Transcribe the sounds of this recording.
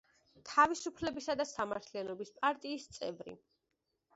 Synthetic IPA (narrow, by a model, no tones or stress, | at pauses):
t̪ʰavisupʰlɛbisad̪asamaɾt̪ʰlianɔbispʼaɾt̪ʼiːst̪sʼɛvɾḭ